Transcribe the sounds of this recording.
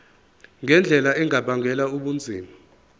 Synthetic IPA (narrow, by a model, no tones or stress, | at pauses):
ŋɛnd͡ɮʱɛlaɛŋabaŋʱɛlauɓund͡zʱiːma